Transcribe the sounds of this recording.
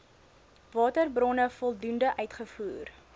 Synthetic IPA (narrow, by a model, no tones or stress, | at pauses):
vɑːtərbrɔnəfɔlˠdundəʔœɥtχəfuːr